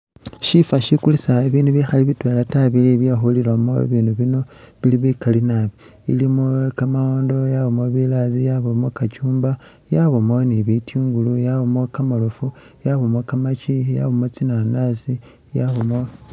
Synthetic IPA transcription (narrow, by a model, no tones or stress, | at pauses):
ʃifaʃikulisaeβiːnduβixaliβitweːlataβiliβjaxulilamo̰βiːnuβino̞βiliβikalinaβi | ḭlimokamaoːndo̞jaβomoβilazijaβomokat͡ʃuːmba | jaβomoniβitʰjiːŋɡulujaβomokamolofu | jaβomokamat͡ʃija̰βomot͡sinanasi | jaβomo